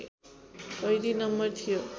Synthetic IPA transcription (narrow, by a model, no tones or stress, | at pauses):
kʌjɾinʌmːʌrt̪ʰijo